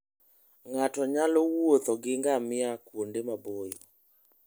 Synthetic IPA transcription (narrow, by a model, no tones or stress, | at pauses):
ŋatɔɲalɔwot̪ɔɡɪŋɡamɪakwondemabojɔ